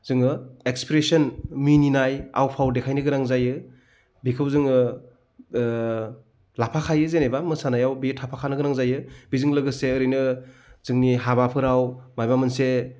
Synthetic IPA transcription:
zɯŋɯekspɾesɔnmininaja̰wpʰawdekʰajnɯɡɯɾaŋzajɯ | bikʰɯwzɯŋɯ | lapʰakʰajɯzenejbamɯsanajawbitʰapʰakʰanɯɡɯɾaŋzajɯbizɯŋlɯɡɯseɯɾɯjnɯz̥ɯŋniɦabapʰɯɾawmajbamɯnse

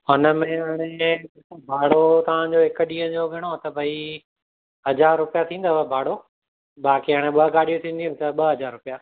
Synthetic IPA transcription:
ɦʊnə̆mẽɦaːɽ̃ẽ | obʱaːɽ̤ot̪ɐʋ̤ãd͡ʑoɦɪkə̆ɗĩːə̃d͡ʑoʋʱɪɽ̃ot̪ɐbʱɐi | ɦɐd͡ʑaːɾːʊpijat̪ʰĩːn̆d̪oabʱaːɽo | ɓaːkiɦaːɽ̃ẽɓɐɡaːɽijũt̪ʰĩːnd̪ijũt̪ɐɓɐɦɐd͡ʑaːɾːʊpija

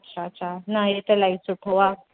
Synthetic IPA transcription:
tːɕʰatt͡ɕanaɦet̪elaisuʈʰɦoʋa

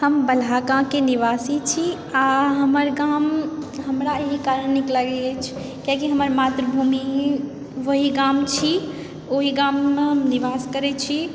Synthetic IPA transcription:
həmbəlakãkeniʋasit͡ʃʰi | aɦəməɾɡamɦəmɾaeɦikaɾəɳːikləɡɛt͡ʃʰ | kjakiɦəməɾmat̪ɾəbʱumi | ʋəɦiɡamt͡ʃʰi | oɦiɡamːeɦəmniʋaskəɾɛt͡ʃʰi

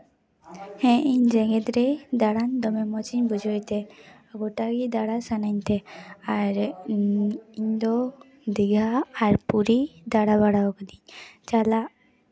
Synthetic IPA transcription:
hɛ̃ʔiɲd͡ʒɛɡɛd̪ɾɛd̪aɽand̪ɔmɛmɔt͡ʃiɲbʱud͡ʒʱɔjt̪ɛaɡɔʈaɡid̪aɽasanant̪ɛaɾ | iɲd̪ɔ | d̪iɡʱaːɾpuɾid̪aɽabaɽaɔkəniɲt͡ʃala

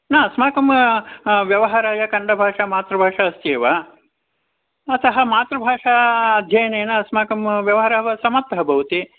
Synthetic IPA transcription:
naːɐsmaːkɐm | ʋjɐʋɐɦaːɾaːjɐkɐɳɖɐbʱaːʂɐmaːt̪ɾɐbʱaːʂɐɐst̪jeːʋɐ | ɐt̪ɐɦɐ̆maːt̪ɾɐbʱaːʂaɐd̪ʱjɐjɐneːnɐsmaːkɐmʋjɐʋɐɦɐɾaːʋɐsɐmɐt̪ːɐbʱɐʋut̪i

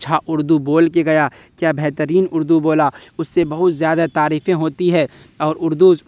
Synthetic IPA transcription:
ʃʰaʔʊɾd̪uboːlkeɡɐja | kjaːbɛɦt̪əɾiːnʊɾd̪uboːlaʊsːebɐɦʊt̪zjaːd̪at̪aːɾiːfẽɦoːt̪iɦɛ̃ | ɔːɾʊɾd̪u

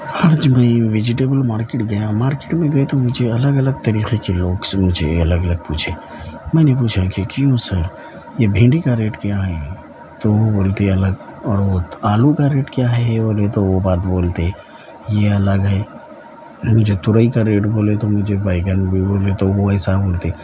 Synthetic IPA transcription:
aːd͡ʒmɛ̃iʋɪd͡ʒɪʈeːbəlmaːɾkeʈɡɐjãmaːɾke̥ʈmẽɡɐet̪omʊd͡ʒʱeɐləɡɐləɡ̚t̪ɐɾiːxekeloːɡsmʊd͡ʒʱḛɐləɡələɡ̚pṵːt͡ʃʰe | mɛ̃ːnep̬uːt͡ʃʰakikjũsəɾ | jebʱɪ̃ɳɖikaɾeːʈkjaɦɛ | t̪oʋoboːlt̪eɐləɡɔːɾʋoaːlukaɾeːʈkjaɦɛɦeboːlet̪oʋobaːt̪boːlt̪e | jeɐləɡɦɛ | mʊd͡ʒʱet̪ʊɾəikaɾeːʈboːlet̪omʊd͡ʒʱebaːɪɡənbʱiboːlet̪oʋoɛːsaboːlt̪eː

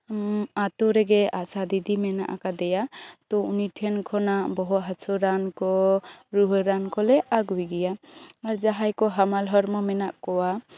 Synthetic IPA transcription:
at̪uɾɛɡɛasad̪id̪imɛna̰ʔa̰kad̪ɛjat̪ɔunitʰɛnkʰɔnabɔɦut̪ɦasʰɔɾankɔɾuɦɔɾankɔlɛʔaɡwiɡijaaɾzaɦajkɔɦamalɦɔɾmɔmɛnaʔkɔwa

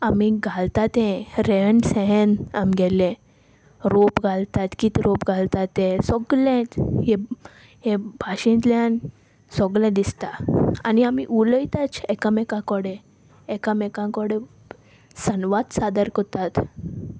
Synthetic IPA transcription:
amiɡʱalt̪at̪ɛ̃ɾeəɳɖsɛ̃ɦena̰miɡɛlẽ | ɾopɡʱalt̪at̪kit̪iɾopɡʱalt̪at̪ẽsɔɡlɛ̃t̪ɦẽ | hẽbʱaɕĩt̪ljan | sɔɡlɛ̃d̪ist̪aaniamiʔuləjt̪at͡sɛkəmɛkãkɔɽẽ | ekəmɛkãkɔɽe | sənʋad̪sad̪əɾkɔt̪at̪

